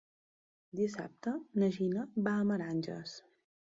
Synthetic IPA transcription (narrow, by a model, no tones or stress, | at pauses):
d̪isa̰p̚t̪ənəʒinəbaəməɾanʲd͡ʒə̰s